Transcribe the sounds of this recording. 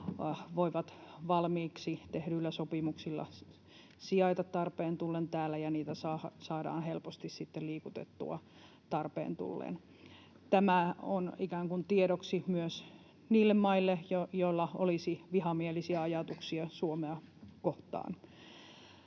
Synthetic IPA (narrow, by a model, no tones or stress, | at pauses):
ʋoiʋɑt̪ʋɑlmiːksit̪ehɾylːæsopimuksilːɑ̰ | siɑit̪ɑt̪tɑrpeːnt̪ulːent̪æːlːæjɑniːt̪æsɑːhɑsɑːdɑ̰ːnhelpost̪issit̪ːelliːkut̪ḛt̪ːṵɑ̰ | t̪ɑrpḛːnt̪ṵlːḛn | t̪æmæonikæːŋkunt̪ieɾoksimyøs | niːlːemmɑilːejojoilːɑʔolisiʋihɑmielisiæɑjɑt̪uksiɑsuomeɑkoht̪ɑ̰ːn